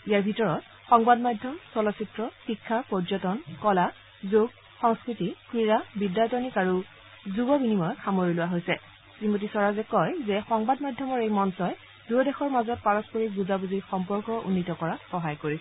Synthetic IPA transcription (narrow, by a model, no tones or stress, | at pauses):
ijaɹbʱitɔɹɔt | xɔŋbadmadʱjɔmsɔlɔsitɹɔsikʰːapɔzɔtɔnkɔla | zoɡ̚ | xɔŋskɹitikɹiɹabidːatɔnikaɹu | zuɡɔbinimɔjkʰamoɹilʊwaɦojsɛ | timotisɔɹazɛkɔjzɛxɔŋbadmadʱjɔmɔɹejmɔnsɔj | duɔdɛxɔɹmazɔt̚paɹɔspɔɹik̚buzabuzixɔmpɔɹkɔʔṵnːitɔkɔɹaxɔɦajkoɹisɛ